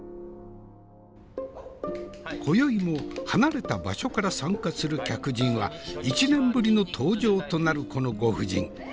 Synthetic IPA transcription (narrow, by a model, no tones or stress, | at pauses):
kʰo̞jo̞imo̞hanaɾe̞t̪aba̰ɕo̞kaɾasãŋkasɨɾɯ̟kʲakɯ̟ʑĩɰ̃βait͡ɕinẽ̞mbɯ̟ɾʲino̞t̪ʰoːʑo̞ːt̪o̞naɾɯ̟ko̞no̞ɡo̞ɸɯ̟d͡ʑḭ̃ŋ